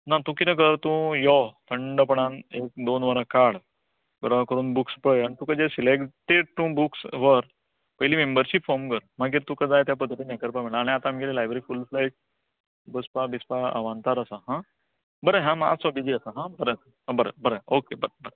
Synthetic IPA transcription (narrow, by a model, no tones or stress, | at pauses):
nat̪ũkinək̬əɾt̪ũjɔt̪ʰəɳɖəp̬əɳ̃anek̚d̪onʋəɾakaɽ | ɡəɾəkəɾuːnbukspəɭaɽ̃it̪ũkad͡ʑesilekʈeɽ̚t̪ũbuksʋəɾ | pəɦliːmembəɾɕipfɔɾmkəɾmaɡiːɾt̪ũkad͡zajt̪jap̬əd̪ʱːət̪inakəɾpamiɭaːɽ̃iat̪aːmɡelelajbəɾifulflajʈ̚ | bəspabispaa̰ʋant̪aɾəsaɦã | bəɾeɦãma̰sɔbid͡ʑiəsaɦãbəɾesaɦabəɾḛbəɾeokebəɾebəɾe